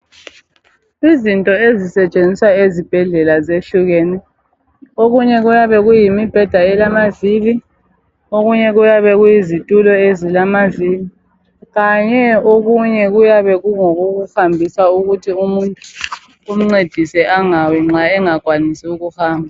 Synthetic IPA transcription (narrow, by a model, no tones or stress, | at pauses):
izintʼɔezisɛt͡ʃʼend͡zʱiswaezib̥ʱɛɮɛlazeɬuɣɛnɛ | oɣuɲɛɣujaβɛɣujimib̥ʱɛd̥ʱaɛlamavili | oɣuɲɛɣujaβɛɣujizitʼulɔezilamavili | ɣaɲɛoɣuɲɛɣujaβɛɣuŋoɣoɣuhambʱisauɣutʰiumuntʼuː | m̩ŋ͡ǀed̥ʱisɛʔaŋawɛŋ͡ǁaɛŋaɡ̥ʱwanisuɣuhaːmbʱa